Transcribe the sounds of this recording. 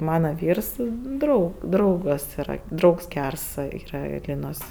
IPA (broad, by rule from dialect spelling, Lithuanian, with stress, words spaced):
ˈmɑːnɐ ˈʋʲiːrs ˈdrɐʊ ˈdrɐʊɡɐs iːˈrɐ ˈdrɐʊks ˈɡʲærs ˈiːrɐ ˈlʲiːnoːs